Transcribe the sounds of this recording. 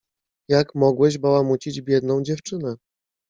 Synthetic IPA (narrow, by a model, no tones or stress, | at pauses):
jakmɔɡwɛʑbawamut͡ɕid͡ʑbʲjɛd̪nɔ̃w̃d͡ʑɛft͡ʂɘnɛ